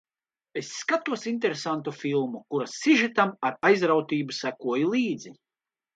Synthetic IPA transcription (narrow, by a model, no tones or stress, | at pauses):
esːkat̪uɔsint̪ɛɾesant̪ufilˠmukuɾasiʒit̪amaɾajzɾawt̪iːbusækuɔjilˠiːd̪zi